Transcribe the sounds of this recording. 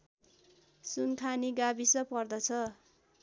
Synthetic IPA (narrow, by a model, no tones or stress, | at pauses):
sunkʰaniɡabisʌpʌrd̪ʌt͡sʰʌ